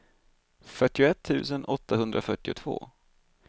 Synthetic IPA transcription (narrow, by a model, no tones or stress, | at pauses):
fœʈːɪʊɛt̪ʰːʉ̟ːsənɔt̪ːaɦɵnd̪ɾʔafœʈːɪʊt̪ʰv̥o̰ː